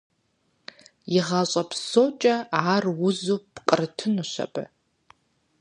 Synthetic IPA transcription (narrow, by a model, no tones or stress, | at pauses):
jɪʁaɕʷʼɐpʰsoːt͡ʃʼɐaːrwʊzuːpqʼərɨtʰɨnuɕɐ̰pʼɐ̰